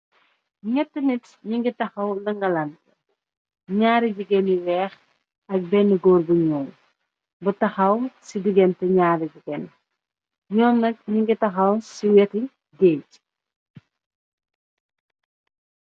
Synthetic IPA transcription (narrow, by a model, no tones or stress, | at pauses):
ŋɛtːənit | ɲiŋɡitɐxɐwlɐŋɡɐlɐnt | ɲaːɾiduɡɛniwɛːx | ɐk̚bɛnəɡɔːrbuɲɔːm | bɐtɐxɐwsidiɡɛntɐɲaːɾiɟuɡɛn | ɲɔːmnɐk̚ɲiŋɡitɐxɐwsiwɛti | ɡeːc